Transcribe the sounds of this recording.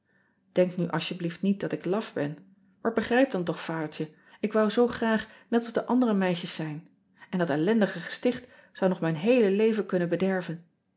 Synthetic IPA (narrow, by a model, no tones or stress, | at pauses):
d̥ɛŋknyʔɑ̰ʃjəbliftnit̚dɑtɪklɑfbɛn | maːɹbəχrɛjp̚dɑnt̬ɔχfaːdəɹtə | ɪkʋɑwzowχraːχnɛtɔzdəʔɑndərəmɛjʃəsːɛjn | ɛndɑtɛlɛndəχəχə̥stɪχt | z̥ɑwnɔχmɛjnɦejləlejvənkɵnənbədɛɹvən